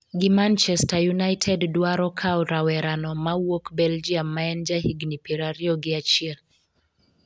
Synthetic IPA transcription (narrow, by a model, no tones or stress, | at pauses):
ɡɪmant͡ʃɛstajunajtʰɛddwaɾɔkʰawɾawɛɾanɔmawokbɛld͡ʒiamːaɛnd͡ʒahiɡnipiɾaɾiɔɡɪat͡ʃiɛl